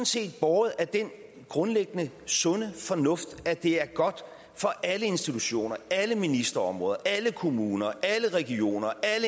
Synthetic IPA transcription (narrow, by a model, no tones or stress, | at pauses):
nse̝̰ːd̥̚b̥ɒːð̩ˠæɐd̥en | ɡ̥ʁɔ̽nleɡ̥ənə | sɔ̽nəfɒ̽nɔ̽fd̥æd̥e̝æɐɡ̥ɒ̽d̥ | fɒ̽ʔæləe̝nsd̥it͡sʰuɕo̝̰ːnɐæləminisd̥ɐɒ̽mʁɔ̽ːðˠɐʔæləkʰo̝muːnɐʔæləʁɛɡ̥io̝̰ːnɐʔælə